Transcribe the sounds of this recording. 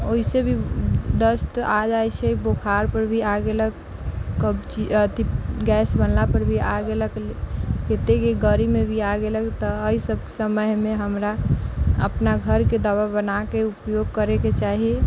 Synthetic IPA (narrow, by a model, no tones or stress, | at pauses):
oɦisebʱid̪əst̪ad͡ʒajt͡ʃʰeibokʰaɾpəɾbʱiaɡelək | kəbt͡ʃiət̪iɡɛːsbənlapəɾbʱiaɡeləkket̪ekeɡəɾimebʱiaɡeləkt̪ɔəisəb̚ʱksəməjmeɦəmɾa | ə̰pnaɡʱəɾked̪aʋabənakeupjoɡ̚kəɾeket͡ʃaɦie